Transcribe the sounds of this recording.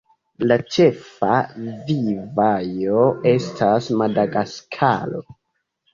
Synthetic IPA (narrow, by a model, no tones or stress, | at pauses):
lat͡ʃe̞favivajoe̞stʰasmadaɡaskʰa̰lo̰